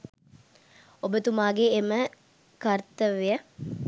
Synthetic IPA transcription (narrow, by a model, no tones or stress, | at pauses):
obət̪umaːɡeːmə | kart̪əʋejə